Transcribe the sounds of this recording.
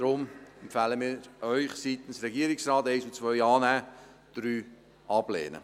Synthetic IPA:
d̥ɾʊmɛmpfæːləmiːɾʔœʏχsitn̩sɾɛɡiəɾɪksrɑːteɪsut͡svœʏɑːnæː | d̥ɾyː | ʔɑb̥lḛːnə̰

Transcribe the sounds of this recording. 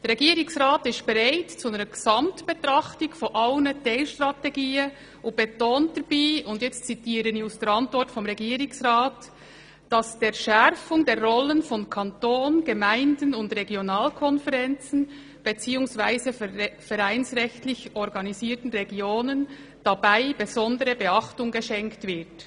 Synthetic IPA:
d̥ɛɾʁːeɛɡiːɾɪŋsʁaːtɪstb̥eʁaɪtt͡suəɡ̥zɑmtb̥etʁɑχtɪɡfoʔaʊnədeːlʃtʁɑteɡiːə | ʊnb̥etoːntd̥əb̥iːʊndjɛt͡stt͡sitiːɾənjusd̥əɾɑntvɔɾtfɔmʁeɡiːɾɪŋsʁɑːt | d̥ɑsd̥eːʃɛɾfʊŋdeːɾʁɔlənfɔnkʰɑntoːnɡ̥əmæɪndənʊndʁeɡjonɑːlkʰɔnfəʁɛnt͡sn̩ | b̥et͡siːʊŋsvaɪzəfɛɾæɪnsʁɛçtlɪçɔɾɡɑniziːtn̩ʁeɡjoːnən | d̥ɑbaɪb̥ezɔndəɾəbeɑχtʊŋɡəʃɛŋktvɪt

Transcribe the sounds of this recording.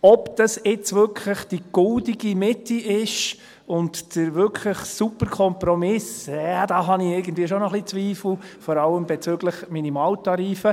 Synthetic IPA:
ɔpd̥ɑsɪt͡svʏɾkʰləχd̥iɡ̥ʊldiɡ̥imɪtiʔɪʃ | ʊntd̥əɾvʏkʰləχsupəɾkʰɔmpɾɔmɪsadɑːɦɑniɪɾɡən̩dviːəʃonɔχlit͡sʋiːfl̩fɔɾɑləmbɛt͡søɡləχminimɑːltɑɾiːfə

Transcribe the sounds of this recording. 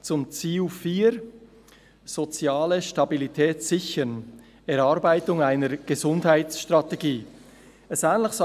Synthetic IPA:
t͡sʊmt͡siːufiːɾ | z̥ot͡sjaːləʃtɑbilitʰɛːsz̥ɪçən | ɛɾɑɾbaɪtʊŋaɪnəɾɡ̥əzʊndhaɪtsʃtʁateɡiː | ɛsɛːnlɪçsɔ

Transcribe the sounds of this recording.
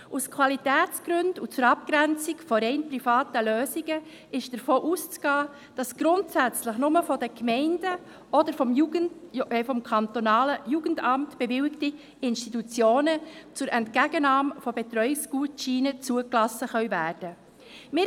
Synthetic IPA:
ʔuskʰwɑlitɛːt͡sɡ̥ɾɵndut͡sʊɾɑp̚ɡ̥ɾɛnt͡sɪkfɔɾɛɪnprifɑːtəløːziɡə | ʔɪʃd̥əɾfoːʔust͡sɡ̥ɑː | d̥ɑsɡ̥ɾʊntsæt͡sləχnʊməfɔdəkmɛɪnd̥ə | ʔɔdəɾfɔmjuənfɔmkʰɑnt̪onɑːləjuːɡ̥əndɑmtb̥ɛvɪwɪkti | ɪnʃtitut͡sjoːnət͡sʊɾʔɛntkæɡənɑːmfɔbɛt̪ɾœʏɪksɡ̥uːtʃiːnət͡suəklɑsəχœɥvæːɾd̥ə | mɪ

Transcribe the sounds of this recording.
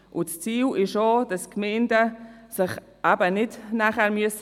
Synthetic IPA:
ʔʊt͡st͡siːlɪʃoːd̥askmɛɪndəsɪχ | ʔabənɪdnaːχɛːɾmyəs

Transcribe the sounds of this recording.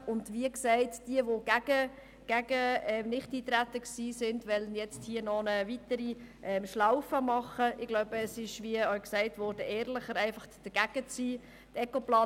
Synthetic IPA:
ʊndviəksɛɪtd̥iəʋoɡ̥æɡə | ɡ̥æɡəɛnɪχtiːt̪ɾætːəksiːsɪndʋɛlənjɛt͡sthiənɔnəvitəɾiʔɛmʃlaʊfəmɑχəɪɡ̥lɔʊbəːsɪʃʋiəœʏksɛɪtvʋɔɾdəʔɛːɾləχəɾæɪfɑχd̥əɡ̥æɡ̥ət͡siː | tɛkoplɑː

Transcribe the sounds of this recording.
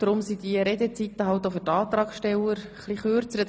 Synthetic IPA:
d̥ɾʊmsid̥̪iəɾɛd̪ɛt͡sit̪ːəɦɑlt̪ːofʏtɑːt̪ɾɑːkʃtɛləɾəχliχøːɾt͡səɾə

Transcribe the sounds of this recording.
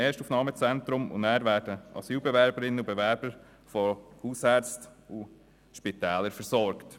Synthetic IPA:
ɛːʃtufnɑːmət͡sɛntɾʊmʊ̰ndæːɾvæːɾdəʔɑ̰syːlbɛvæɾbəɾɪnːəubɛvæɾb̥əɾ | fɔhuːshɛɾt͡stu | ʃpitɛːləɾfəɾsɔɾkt

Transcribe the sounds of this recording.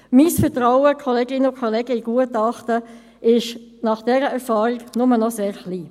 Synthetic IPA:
miːsfɛʁtɾaʊəkʰɔleːɡɪnəʊkʰɔleːɡəiɡ̥uətɑχtə | ʔɪʃnɑχd̥ɛːɾəɛʁfɑːɾɪɡnʊmənɔseːɾχliː

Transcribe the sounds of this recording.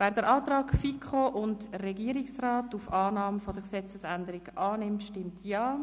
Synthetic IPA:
vɛːɾdəɾʔɑːt̪rɑːkfikʰχoʔʊndrɛɡiəɾiksrɑːtufɑːnɑːməfod̥əksɛt͡səsændəɾiɡʔɑːnɪmtʃtɪmtʰjɑː

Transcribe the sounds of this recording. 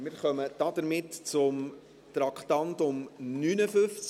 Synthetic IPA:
mɪɾχœməd̥ɑd̪əɾmɪtt͡sʊm | tɾɑkχtɑntʊmnyːnəfɵft͡s

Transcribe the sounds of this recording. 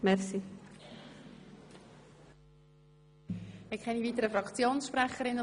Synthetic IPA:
mɛɾsi | mɪkχɛniviːt̪əɾəfɾɑkt͡sjoːnsʃpɾæχəɾɪnːə

